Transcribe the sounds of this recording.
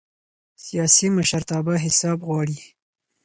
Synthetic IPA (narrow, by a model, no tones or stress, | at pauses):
sijɑsiməʃaɾt̪ɑːbaɦɪsɑːbɣwɑːɽi